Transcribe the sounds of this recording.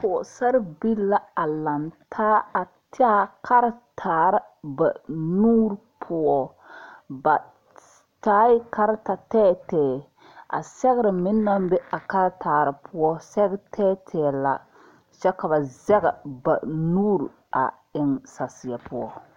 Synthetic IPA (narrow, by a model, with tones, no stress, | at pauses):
pʊ˨sɛ˦ɾbi˦la˦a˨la˨ntʰaː˦a˨ | tɪ˦a˦kʰa˦ɾtʰaː˨ɾɨ˦ | ba˨nuː˦ɾpʰʊ˦ɔ˦ | ba˨ | taː˦jɪ˦ka˦ɾta˨tɛː˦tɛː˨ | a̰˨sɛ˦ɣɪ˦ɾɨ˨mɪ˦nː˦a˦mbɛ˦a˨ka˦ɾtʰaː˨ɾɨ˨pʰʊ˦ɔ˦sɛ˦ɣtʰɛː˦tʰɛː˨la̰˨ | t͡ʃɛ˦ka˨ba˨zɛ˦ɡɛ˨ba˨nuː˦ɾ | a̰˨ | ɪ˦ŋsa˨sɪ˨ja˨pʊ˦ɔ̰˦